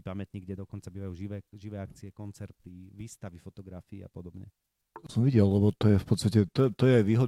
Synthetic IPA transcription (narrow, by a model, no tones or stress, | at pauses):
pamɛt̪ɲiːɡɟɛd̪ɔkɔnt͡sabiːʋajuːʒiʋɛːʒiʋɛːak̚t͡siɛkɔnt͡sɛɾt̪iʋiːst̪aʋifɔt̪ɔɡɾafḭːa̰pɔd̪ɔbɲɛ̰ | ɔsɔmʋiɟɛllɛbɔt̪ɔjɛfpɔt̪st̪acɛt̪ɔɛt̪ɔjɛajʋiːɦɔd̪